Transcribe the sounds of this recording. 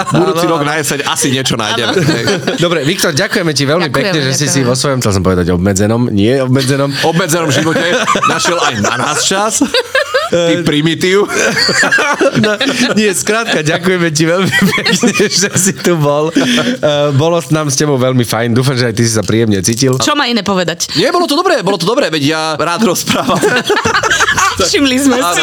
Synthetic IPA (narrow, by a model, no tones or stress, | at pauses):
bud̪uːt͡siɾɔɡnajɛsɛɲasiɲɪɛt͡ʃɔna̰ːjɟɛmɛɛjd̪ɔbɾɛʋikt̪ɔɾɟakujɛmɛciʋɛlmipɛkɲɛʒɛsisiʋɔsʋɔjɔmxt͡sɛlsɔmpɔʋɛd̪aɟɔbmɛd͡zɛnɔmɲɪɛɔbmɛd͡zɛnɔmɔbmɛd͡zɛnɔmʒiʋɔcɛnaʃɪɛlajna̰naːst͡ʃas | ipɾimit̪iʊ | nɔɲɪɛskɾaːt̪̚kaɟakujɛmɛc̬iʋɛlmipɛkɲɛʒɛsit̪ubɔl | bɔlɔsnaːmscɛbɔʊʋɛlmifajnd̪uːfamʒɛajt̪isi̥sapɾiːɛmɲɛt͡siːcilt͡ʃɔmainɛːpɔʋɛd̪acɲɪɛbɔlɔt̪ɔd̪ɔbɾɛːbɔlɔt̪ɔd̪ɔbɾɛːʋɛɟjaɾaːd̪ɾɔspɾaːʋam | ʃimlizmɛa